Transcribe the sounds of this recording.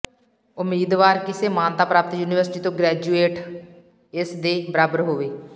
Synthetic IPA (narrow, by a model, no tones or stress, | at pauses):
ʊmːiːd̪ʋaːɾkɪseːmãːnt̪aːpɾaːpt̪juːniːʋəɾsʈiːt̪õːɡɾɛːd͡ʒuːeːʈ | ɪsd̪eːbəɾaːbəɾɦoːʋeː